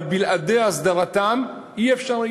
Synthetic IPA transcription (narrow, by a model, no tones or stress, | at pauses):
bilʔad̪easd̪aʁat̪am | iefʃaʁla